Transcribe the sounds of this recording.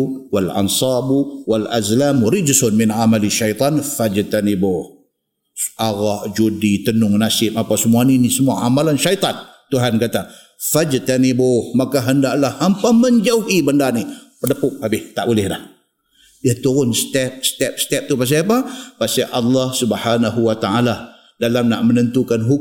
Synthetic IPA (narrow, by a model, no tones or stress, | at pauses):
walʔɑ̰nsɑbuwala̰zlamɾɪd͡ʒsʊnmɪnʕamaliʃajt̪ˤɑnfad͡ʒt̪anibʊh | ʔaɣaʔd͡ʒudit̪ənʊŋnasɪp̚apasəmuaninisəmuaʔamalanʃajt̪ˤɑn | t̪uɦankat̪a | fad͡ʒt̪anibohmakaɦəndaʔlahːampaməɲd͡ʒauhibəndanipərdəpʊk̚abɪht̪aʔbulɪhlah | diat̪uɾʊnst̪ɛp̚st̪ɛp̚sə̥t̪ɛp̚t̪upas̬aapapasaʔɑlːɑhsubhanaɦuwat̪aala | dalamnaʔmənənt̪ukanɦu